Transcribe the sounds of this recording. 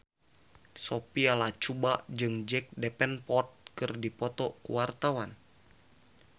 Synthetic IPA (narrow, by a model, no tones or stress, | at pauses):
sopialat͡ʃubaʔd͡ʒɨŋd͡ʒɛk̚dɛpɛnpɔt̪̚kɨrdipɔt̪ɔkṵwart̪awan